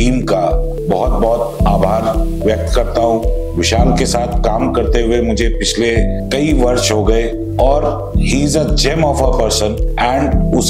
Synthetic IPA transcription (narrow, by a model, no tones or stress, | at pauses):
iːmka | bɔɦʊt̪̚bɔɦʊt̪aːbʱaːɾ | ʋjɐk̚t̪kɐɾt̪aɦũ | ʋɪʃaːlkesaːt̪ʰkaːmkɐɾt̪eɦuemʊd͡ʒʱepɪt͡ʃʰlekɐiʋɐɾʃɦoɡɐe | ɔːɾ | hĩːzəd͡ʒemɔːfəpəɾsənɛ̃ːɳɖʊs